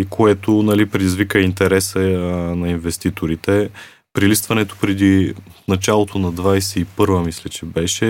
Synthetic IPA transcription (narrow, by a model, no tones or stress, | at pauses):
ikʰoɛt̪onɐlipɾɛd̪izvikəint̪ɛɾɛsənɐinvɛst̪it̪oɾit̪ɛ | pɾilist̪vɐnɛt̪o̥pɾɛd̪inɐt͡ʃalˠot̪onɐd̪vajsɛipɤɾvəmislʲɛt͡ʃɛbɛʃɛ